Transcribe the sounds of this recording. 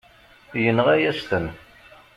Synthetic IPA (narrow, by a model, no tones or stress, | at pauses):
jənːʁæjæst̪ən